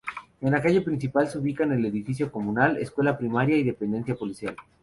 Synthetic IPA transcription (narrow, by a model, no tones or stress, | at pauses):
e̞nlakaʝe̞pɾĩns̬ipalseuβikane̞le̞ðifis̬jo̞ko̞mũnale̞̰skwe̞lapɾimaɾjaiðe̞pe̞nd̪e̞nsjapo̞lisjal